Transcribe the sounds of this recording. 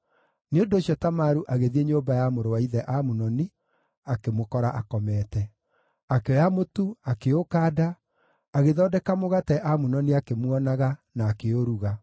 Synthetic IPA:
neondoːɕjɔtamaɾuʔaɣeðieɲoːmbajamoɾowaiðɛʔamunɔni | akemokɔɾaʔakɔmɛtɛ | akeɔjamotuakeokaːda | aɣeðɔːdɛkamoɣatɛʔamunɔniakemwɔnaɣanaːkeoɾuɣa

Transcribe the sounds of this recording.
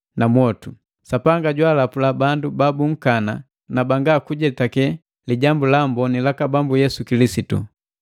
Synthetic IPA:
namwɔtu | sapaŋɡaɟwalapulabandubabuŋ̩kana | nabaŋɡakuɟɛtakɛ | liɟambulambɔnilakabambujɛsukilisitṵ

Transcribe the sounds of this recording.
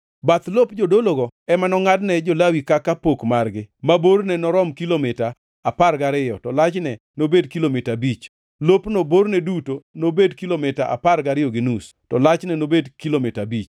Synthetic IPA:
bat̪lopd͡ʒodoloɡɔɛmanɔŋadnɛd͡ʒolawikakːapokmarɡɪmabornɛnɔɾɔmkilomɪtaː | parɡaɾɪjɔtɔlat͡ʃnɛ | nobedkilomɪtabit͡ʃ | lopnobornɛdutonobedkilomɪtaʔa̰parɡaɾɪjɔɡɪnus | tɔlat͡ʃnɛnobedkilomɪtabit͡ʃ

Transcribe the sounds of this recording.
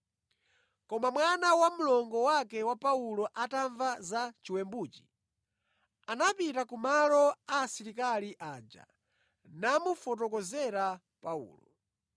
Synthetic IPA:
kɔmamwanawamulɔŋɡɔwakɛwapaulɔʔataɱvazat͡ʃiwɛmbuːt͡ʃi̥ | anapitakumalɔaːsiɾikaliʔaːd͡ʒa̰ | namufɔt̬ɔkɔzɛɾa | paṵːlɔ

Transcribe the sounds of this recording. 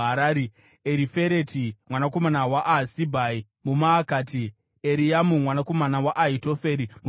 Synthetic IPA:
ɦaɾaːɾi | eɾife̞ɾetimwanako̞manawaʔasibʱai | mumaːkaːti | eɾijamumwanako̞manawaʔaɦito̞fe̞ɾimu

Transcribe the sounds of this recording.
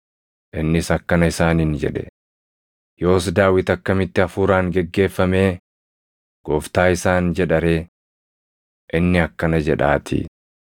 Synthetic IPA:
ʔɪnːɪsɐkːɐnɐɪsaːnind͡ʒɛ̰ᶑɛ̥ | jo̞ːs̬d̪aːwɪt̪ɐkːɐmɪt̪ːɪɐfuːɾaːŋɡɛɡːe̞ːfːɐme̞ː | ɡ̥oːft̪aːɪsaːnd͡ʒɛᶑɐɾe̞ː | ʔɪnːɪɐkːɐnɐd͡ʒɛᶑaːt̪ʰḭ

